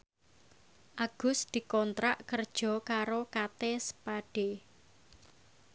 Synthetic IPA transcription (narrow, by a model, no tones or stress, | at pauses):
ʔaɡ̥ʊ̤sd̪̥i̤kɔnt̪ɾaʔkərd̥ʒ̥ɔ̤kaɾokat̪esə̥paɖ̥e